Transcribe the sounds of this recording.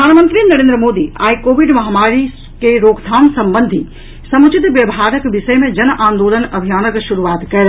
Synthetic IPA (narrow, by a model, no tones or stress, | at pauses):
ɾəd̪ʱaːnmə̃nt̪ɾinɐɾeːnd̪ɾəmoːd̪ia̰ːjkoːʋiɖmɐɦamaːɾi | keɾoːɡd̪ʱaːnsɐmbənd̪ʱi | sɐmut͡ʃit̪ʋjɐbɦaːɾəkʋɪʃɐjmẽd͡ʒɐnʔãːnd̪oːlənɐbʱijaːnəkʃuɾuʋaːt̪kɐɾ